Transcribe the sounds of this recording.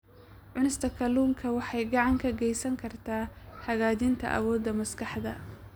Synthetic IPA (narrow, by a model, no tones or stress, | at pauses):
ʕʊnɪst̪ʰɐkʰɐluːŋkʰɐwɑħɑjɡɑʕɑŋkʰɐɡɛjsɐŋkʰɐrt̪ʰaːhɐɣaːðɪnt̪ʰɐ̰ʔɐ̰wɔːd̪ːɐmɐskʰɑħd̪ɐ